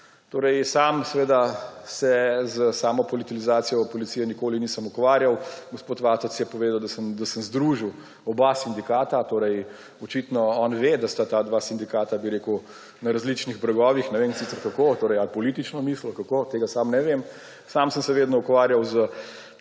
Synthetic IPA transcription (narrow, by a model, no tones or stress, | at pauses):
t̪oːɾəjsaːmsɛʋeːd̪asɛzəsaːmɔpɔlit̪ilizaːt̪sijɔpɔlit̪sijɛnikoːliniːsəmukʋaːɾjawɡospoːt̪ʋaːt̪ɔsjɛpɔʋeːd̪awd̪asəmd̪asəmzd̪ɾuʒiw | ɔbasind̪ikaːt̪at̪oːɾɛj | ɔt͡ʃit̪nɔɔːnʋed̪ast̪at̪ad̪ʋaːsind̪ikaːt̪abiɾeːkuw | nɐɾazlit͡ʃniɣbɾɐɡɔːʋixnɛʋensiːsəɾkakot̪oːɾɛɪalpɔliːt̪it͡ʃnɔmiːslɔkakot̪eːɡasamnɛʋem | saːmsəmsɛʋeːd̪nɔukʋaːɾjawzə